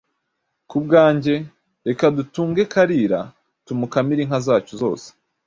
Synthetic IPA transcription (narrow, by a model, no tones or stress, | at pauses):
kub̚ɡaːɲɟe̞ | ɾe̞kadutuːŋɡe̞kaɾiːɾa̰ | tumukamiɾiŋhazaːt͡ʃuzo̞̰ːse̥